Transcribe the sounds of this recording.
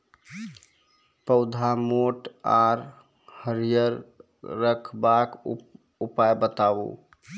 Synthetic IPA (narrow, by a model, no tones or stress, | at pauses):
pəʊd̪ʱamoʈaɾ | həɾijəɾː | əkʰbak | upajbət̪abṵ